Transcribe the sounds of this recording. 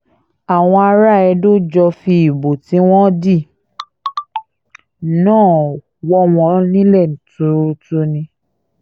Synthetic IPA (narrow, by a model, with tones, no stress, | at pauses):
a˨w̃ɔ̃˧a˧ɾa˦˨ɛ˧do˦d͡ʒɔ˧fi˧i˨bo˨ti˨˦w̃ɔ̃˦di˦˨ | nãː˦˨ | wɔ˧˦w̃ɔ̃˧nĩ˦lɛ˦˨n̩˨tu˨˧ɾɾu˧tu˧˦nĩ˧